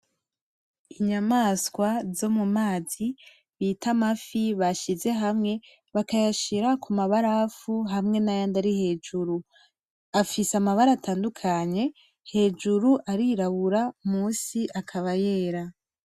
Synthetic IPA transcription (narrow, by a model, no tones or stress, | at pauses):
iɲamaːskwazo̞mumaːzi | βiːtʰamafiβaʃize̞ɦamŋe̞ | βakajaʃiɾakʰumaβaɾafuɦamŋe̞najandaɾihe̞ːd͡ʒuɾu | afisamaβaɾatʰaːndukʰaɲe̞ | he̞ːd͡ʒuɾuʔaɾiɾaβuɾamuːsiʔakʰaβaje̞ːɾa